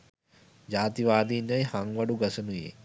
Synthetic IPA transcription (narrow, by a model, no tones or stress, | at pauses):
d͡ʒaːt̪iʋaːd̪iːnjajhaŋʋaɖuɡɐsənujḛ